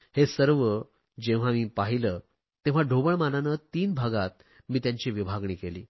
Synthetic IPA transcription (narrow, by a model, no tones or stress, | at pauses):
hesəɾʋə | d͡ʑẽʋ̤amiːpaɦilə | t̪eʋ̤aɖʱobəɭmananət̪iːnbʱaɡat̪̚ | miːt̪jaɲt͡ɕiːʋibʱaɡɳiːkeliː